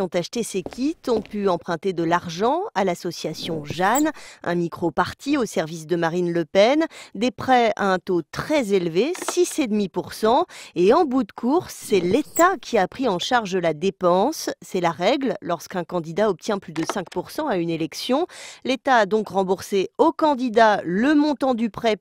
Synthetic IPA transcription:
jɔ̃t̪aʃt̪esekʲit̪ɔ̃pyɑ̃pχɛ̃t̪ed̪əlaʁʒɑ̃alasɔsjasjɔ̃ʒanʔɛ̰̃mikχopaʁt̪iosɛʁvisd̪əmaʁinləpɛnd̪epχɛa̰ɛ̃t̪ot̪χɛzelvesised̪mipuʁsɑ̃eɑ̃but̪kʰuʁːɛlet̪akʰʲiapχiɑ̃ʃaʁʒəlad̪epɑ̃sːɛlaʁɛɡllɔʁskɛ̃kɑ̃d̪id̪aɔp̚t̪jɛ̃plyd̪əsɛ̃kpuʁsɑ̃aynelɛksjɔ̃let̪aːd̪ɔ̃kʁɑ̃buʁseokɑ̃d̪id̪aləmɔ̃t̪ɑ̃d̪ypχɛ

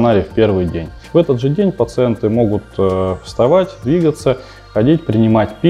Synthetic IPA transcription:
nalʲɪfpʲe̞rvɨjdʲḛnʲ | vɛt̪əd̪ʐɨdʲenʲpət̪sɨɛnt̪ɨmo̞ɡʊt̪ːfst̪ɐvatʲd̪vʲiɡət̪sə | xɐdʲitʲpɾʲɪnʲɪmatʲpʲ

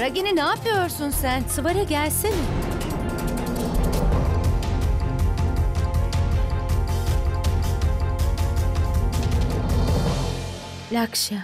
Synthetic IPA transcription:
ɾaɟeninaːpʰɯjoɾsunsænsɯvaɾɯɟælʲsinɪ | lʲakʃa

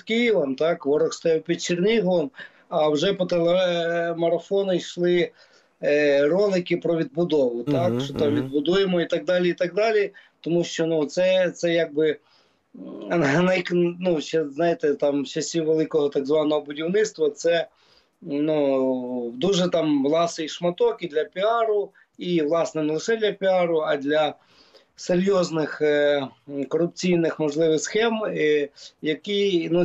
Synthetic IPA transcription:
kijiʋˠɐmt̪ɑkʋɔɾɔxst̪ɔjɑwpʲid̪̚t͡ʃɪrnʲiɦɔlˠɔm | ɐwʒɛpɔt̪elˠemɐɾɐfɔnʊjʃlˠɪ | rɔlˠɪkɪpɾɔʋʲid̪̚bʊd̪ɔʋʊt̪ɑkʃɔt̪ɑmʋʲid̪̚bʊd̪ujemɔit̪ɐɡ̚d̪ɑlʲiit̪ɑɡ̚d̪ɑlʲit̪ɔmuʃt͡ʃɔnut̪sɛt̪sɛjaɡ̚bɪ | nɐjknut͡ʃɛznɑjɪt̪ɛt̪ɑmt͡ʃɐsʲiʋelˠɪkɔɦɔt̪aɡzʋɑnɔɦɔbʊdʲiwnɪt̪st̪ʋɐt̪sɛ | nu | d̪uʒɛt̪ɑmʋlˠɑsɪiʃmɐt̪ɔkid̪lʲɐpʲiɑɾʊ | iʋlˠɑsnɛnɛlˠɪʃɛd̪lʲɐpʲiɑɾʊɐd̪ʲlʲɐ | seɾʲjɔznɪx | kɔrʊp̚t͡sʲijnɪxmɔʒlˠɪʋɪxsxɛm | jɐkinu

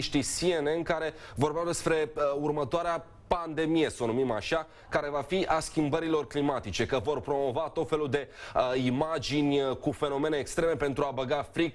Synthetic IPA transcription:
ʃt̪isienenkaɾe̞vo̞rbeawd̪e̞spɾe̞urmət̪oaɾea | pand̪e̞mije̞sonumimaʃa | kaɾe̞vafiʔaskʲimbəɾilo̞rklimat̪it͡ʃe̞kəvo̞rpɾo̞mo̞vat̪o̞t̪fe̞lud̪e̞imad͡ʒinʲkufe̞no̞me̞neːkst̪ɾe̞me̞pe̞nt̪ɾuabəɡafɾik

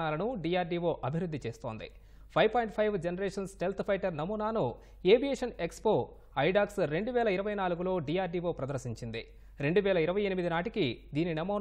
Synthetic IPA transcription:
aːlɐnuɖiːjaːɾɖiʋoːʔɐbʱiɾud̪ʱːit͡ʃeːst̪o̞ːnd̪ḭ | pʰɐjʋpoːjɳʈpʰɐjʋd͡ʒenɐɾɛːʂɐnsʈelt̪ʰpʰɐjʈɐɾnɐmuːnaːnu | eːbijeːʂɐnekspoː | ɐjɖaːksɾe̞ɳɖuʋɛːlɐiɾɐʋɐjnaːluɡulo̞ːɖiːjaːɾɖiʋo̞ːpɾɐd̪ɐɾsiɲt͡ʃind̪ḭ | ɾe̞ɳɖuʋɛːlɐiɾɐʋɐjenimid̪inaːʈikid̪iːninɐmuː

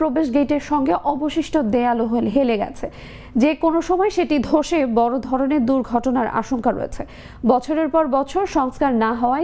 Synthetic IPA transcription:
pɾobeʃɡeʈeɾʃɔŋɡeʔɔboʃiʃʈʰod̪ealoɦolɦeleɡɛ̰t͡ɕʰe | d͡ʑekonoʃɔmɔeʃeʈid̪ʱoʃebɔɾod̪ʱɔɾoneɾd̪uɾɡʱɔʈonaɾa̰ʃoŋkaɾo̰ḛt͡ɕʰe | bɔt͡ɕʰoɾeɾpɔɾbɔt͡ɕʰoɾʃɔŋskaɾnaɦɔoa

